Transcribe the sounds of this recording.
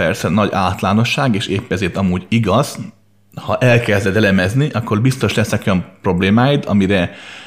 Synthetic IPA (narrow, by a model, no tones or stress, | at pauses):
ɛrsɛnɒɟaːt̪laːno̞ʃːaːɡeːʃeːpːɛzeːt̪ɒmuːɟiɡɒz̥ | hɒʔɛlkɛzd̪ɛd̪ɛlɛmɛzniʔɒkːo̞rbist̪o̞ʃlɛsnɛko̞jɒmpro̞bleːmaːjit̪ʰɒ̰miɾɛ